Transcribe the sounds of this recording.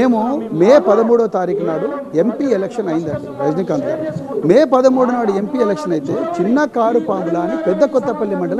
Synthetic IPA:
eːmumeːpɐd̪ɐmuːɽoːt̪aːɾiːkɐnaːɽuempiːelekʂɐnɐjind̪ɐɳʈipɾɐd͡ʒnikːɐnd̪a̰ːɾmeːpɐd̪ɐmuːɽunaːɽue̞mpiːelekʂɐnɐjit̪e̞ːt͡ʃinːɐkaːɾupaːmɡulaːnipɛd̪ːɐkɔt̪ːɐpɐlːimɐɳɖɐlɐ

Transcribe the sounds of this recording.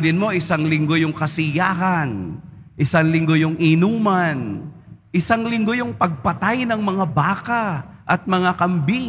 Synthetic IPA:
d̪ɪnmo̞ʔɪsaŋlɪŋɡo̞jʊŋkɐsɪjaːɦɐn | ʔɪsaŋlɪŋɡo̞jʊŋʔɪnuːmɐn | ʔɪsaŋlɪŋɡo̞jʊŋpɐɡ̚pɐt̪ajnɐŋmɐŋabaːkaʔɐt̪̚mɐŋakɐmbi

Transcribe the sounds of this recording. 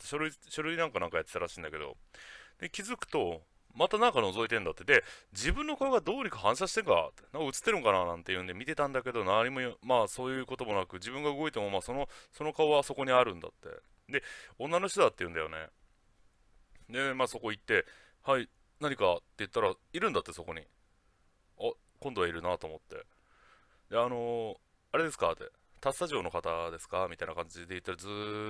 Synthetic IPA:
t̪ɕoɾɯ̟iɕoɾɯ̟inãŋkanãŋkajat̪ːet̪aɾaɕĩːnd̪ake̞d̪o̞̰ | d̪̥e̞kʲizɨkɯ̟̥t̪o̞ | mat̪anãŋkano̞zo̞it̪ẽ̞nd̪at̪ːed̪e̞d͡ʑibɯ̟̃nːo̞kaoɡad̪o̞ːɲ̟ikaɦãɰ̃ɕ̬aɕi̥t̪ẽ̞ŋka̰t̪enãŋkaɯ̟t͡sɨ̥t̪ːe̞ɾɯ̟ŋkananãnt̪e̞jɯ̟̃ːnd̪e̞mʲit̪e̞t̪ãnd̪ake̞d̪o̞naɲ̟imojomaːso̞ːjɯ̟ːko̞t̪o̞mo̞nakɯ̟d͡ʑibɯ̟̃ŋɡaɯ̟ɡo̞it̪e̞mo̞maːsono̞so̞no̞kaoβaso̞ko̞ɲ̟iaɾɯ̟̃nd̪a̰t̪ːe̞̰ | d̪e̞õ̞nːano̞ɕt̪od̪at̪ːe̞jɯ̟̃najo̞̰ne̞̰ | d̪e̞maːso̞ko̞it̪ːe̞ | hai | naɲ̟ikat̪ːejɯ̟t̪ːaɾaiɾɯ̟̃nd̪at̪ːe̞so̞ko̞ɲ̟i | a | kõ̞nd̪o̞aiɾɯ̟nat̪o̞ːmo̞t̪ːe̞̰ | d̪e̞ano̞ | aɾe̞d̪e̞sɨ̥kat̪ːḛ | t̪asːaʑo̞ːno̞kat̪ad̪e̞sɨ̥kamʲit̪ainakãɲ̟d͡ʑid̪e̞jɯ̟t̪ːaɾazɨ

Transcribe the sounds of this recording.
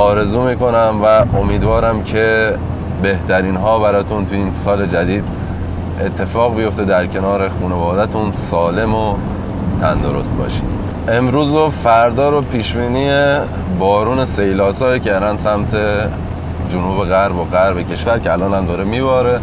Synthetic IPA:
ɒːɾe̞zuːmiːko̞næmvæʔo̞miːd̪vɒːɾæmcʰe | be̞ht̪ʰæɾiːnɦɒːbæɾɒːt̪ʰunt̪ʰujiːnsɒːle̞d͡ʒæd̪iːd̪ | e̞t̪ʰːe̞fɒːɣbijo̞ft̪e̞d̪æɾcʰe̞nɒːɾe̞xuːnevɒːd̪æt̪ʰunsɒːle̞mo | t̪ʰænd̪o̞ɾo̞̰st̪̚bɒ̰ːʃḭːd̪̥ | ʔe̞mɾuːzofæɾd̪ɒːɾopʰiːʃbiːniːe | bɒːɾuːne̞se̞jlɒːsɒːjicʰæɾd̪ænsæmt̪ʰe̞ | d͡ʒonuːbe̞ɣæɾboɣæɾbecʰe̞ʃvæɾcʰeælɒːnhæmd̪ɒːɾemiːbɒːɾe

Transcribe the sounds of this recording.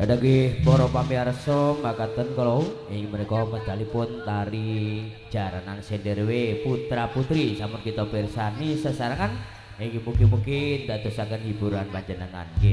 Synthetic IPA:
adaɡihpɔɾɔpamiaɾəsɔmakat̪ənkəlouɪŋməɾɛkɔməd̪alipʊnt̪aɾi | d͡ʒaɾanaŋsendəɾweput̪ɾaput̪ɾisamʊnkit̪ɔpirsanisəsaɾaŋan | eŋimukɪmuŋkɪndad̪əsakənhibuɾanpad͡ʒənəŋa̰nki

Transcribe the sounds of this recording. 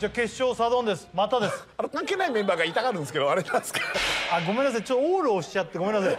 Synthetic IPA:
d͡ʑaːke̞ɕːo̞ːsad̪õ̞nd̪e̞sɨ̥mat̪ad̪e̞sɨ̥aɾekãŋke̞ːnaimẽmbaːɡait̪akaɾɯ̟̃nd̪esked̪oaɾenãnsɨ̥kaaɡo̞menːas̬ait͡ɕot̪ːooːɾɯːɕi̥t͡ɕat̪ːe̞ɡome̞nːas̬ajj

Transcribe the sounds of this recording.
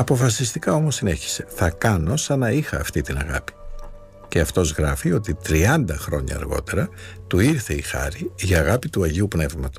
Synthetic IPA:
ɐpo̞fɐsist̪ikɐo̞mosːine̞çi̥se̞θɐkɐno̞sɐnɐixɐːft̪it̪inɐɣɐpi̥ | ce̞ɐft̪o̞zɣɾɐfio̞t̪it̪ɾiɐnd̪ɐxɾo̞ɲɐ̰ːɾɣo̞̰t̪e̞ɾɐt̪uiɾθe̞ixɐ̰ɾiʝɐːɣɐpit̪uɐʝiupne̞vmɐt̪o̥s

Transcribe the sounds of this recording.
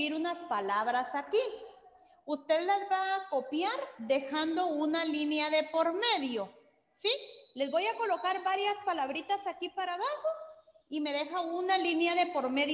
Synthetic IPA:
iɾunaspalaβɾasaki | ust̪e̞ðlazbaːko̞pjaɾd̪e̞xand̪o̞unalinjaðe̞po̞ɾme̞ðjo̞ | sile̞zβo̞jako̞lo̞kaɾbaɾjaspalaβɾit̪asakipaɾaβaxo̞ | ime̞ðe̞xaunalinjaðe̞po̞ɾme̞ð

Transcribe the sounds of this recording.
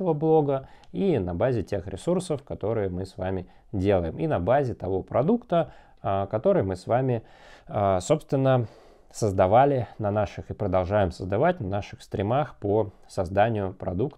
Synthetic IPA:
əvəblˠo̞ɡəinɐbazʲɪtʲe̞xɾʲɪ̰sursəfkɐt̪o̞ɾɨjəmɨsvamʲɪ | dʲe̞lˠəjɪminɐbazʲɪt̪ɐvo̞pɾɐd̪ukt̪ə | kɐt̪o̞ɾɨjmɨsvamʲɪ | əso̞pst̪vʲɪnːə | səzd̪ɐvalʲɪnɐnaʂɨxɪpɾəd̪ɐlˠʐajɪmsəzd̪ɐvatʲnɐnaʂɨxst̪ɾʲɪmaxpo | sɐzd̪anʲɪjʊpɾɐ̰d̪ukt̪

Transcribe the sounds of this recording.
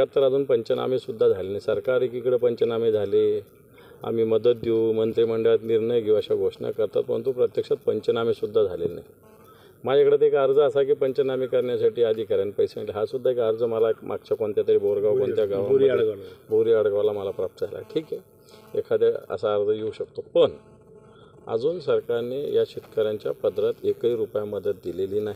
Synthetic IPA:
att̪ːəɾad͡zuːnpəɲt͡ɕəna̰misud̪ʱːad͡zʱalelnajsəɾkaɾikikɽəpəɲt͡ɕənamid͡zʱale | a̰miːməd̪ət̪̚d̪iumənt̪ɾiːməɳɖəɭat̪niɾɳəjɡiəɕaɡʱoʂɳa̰kəɾt̪a̰t̪̚pəɾɽə̰nt̪upɾət̪jəkʂat̪̚pəɲt͡ɕənamisud̪ʱːad͡zʱalḛlna̰j | maekɽat̪ekəɾd͡zəəsak̬iːpəɲt͡ɕənamiːkəɾɳjasaʈiːad̪ʱiːkəɾjanipəjsemlɦasud̪ʱːaekəɾd͡zəməlamʔa̰ɡ̚t͡ɕʰakoɳt̪jat̪əɾiːboɾɡaʋkonjaɡaʋmɽboɾiaɽɡaʋlaməlapɾap̚t̪əd͡zʱala̰ʈʰiːke | ḛkʰad̪jaə̰saːɾd͡zəjeuɕək̚t̪opəɳ | ə̰d͡zuːnsəɾkaɾnejaɕit̪kəɾaɲt͡ɕja̰pəd̪ɾat̪ekiːɾupjaməd̪ət̪̚d̪ileliːnaɦi

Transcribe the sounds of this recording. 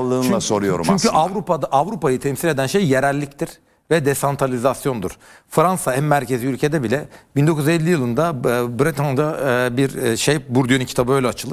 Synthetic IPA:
lˠːɯːnt͡ʃ̪laso̞ɾujo̞̰ɾṵt͡ʃmyɲcʰyavɾupad̪ʔavɾupajɯt̪ʰɛmsilʲe̞d̪ænʃejːeɾælʲːict̪ʰiɾ̥ | vɛd̪esant̪ʰɾalʲizasjo̞nd̪uɾ̥ | fɾansaæmːæɾcʰe̞ziylʲcʰe̞d̪ɛbilʲɛbind̪o̞kuzzelʲːijɯlˠɯnd̪abɾit̪ʰand̪abiɾʃejbuɾd̪yjøniŋcʰit̪ʰabɯølʲɛat͡ʃʰɯlˠɯ

